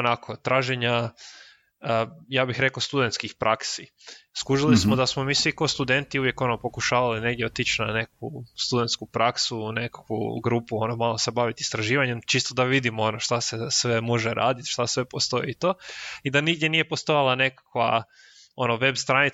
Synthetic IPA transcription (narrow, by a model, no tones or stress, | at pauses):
onakʰo̞t̪ɾaːʒeɲa | əjaːbixɾe̞kost̪ud̪ent̪skixpɾʔaksi | skuʒilismod̪asmo̞miːsʋiko̞st̪ud̪e̞nt̪iuʋje̞ko̞no̞po̞kuʃaːʋaline̞ɡd̪jeot̪it͡ʃnane̞kust̪ud̪e̞nt̪skupɾaksunekḁkʋṵɡɾupuo̞no̞malˠo̞sebaʋit̪ist̪ɾaʒiːʋaɲe̞mt͡ʃist̪od̪aʋid̪imoono̞ʃt̪asesʋe̞moʒeɾa̰ːd̪it̪ʃt̪asʋe̞po̞st̪o̞it̪o̞ːid̪aniɡd̪ʲje̞nije̞po̞st̪o̞jalˠane̞kḁkʋa̰ | o̞noʋe̞bst̪ɾanit